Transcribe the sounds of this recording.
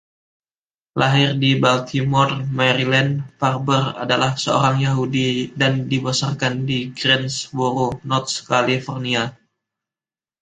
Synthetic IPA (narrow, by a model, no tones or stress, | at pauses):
laɦɪrdibalt̪ʰimɔrmɛɾilɛnparbəra̰dalahsəo̰ɾaŋjaɦudidandibosarkandiɡɾɛnsboɾonɔrt̪̚skalifɔrnia